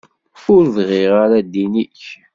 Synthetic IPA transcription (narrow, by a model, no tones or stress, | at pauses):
fʊɾðʁɪʁaɾad̪iniç